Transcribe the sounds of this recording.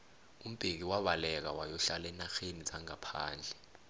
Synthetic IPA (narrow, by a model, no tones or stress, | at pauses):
um̩b̥ʱek̬iwaɓalɛk̬a̰wajɔɬalɛnaxenizaŋapʰa̰ːnd͡ɮʱɛ